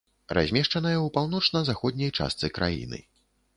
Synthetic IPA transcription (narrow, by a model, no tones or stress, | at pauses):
ra̰zʲmʲɛʂt͡ʂɐnɐjɐwpawn̪ɔt͡ʂnɐzaxɔd̪̚ʲnʲɐjt͡ʂa̰st̪sɨkɾʔa̰jḭnɨ̰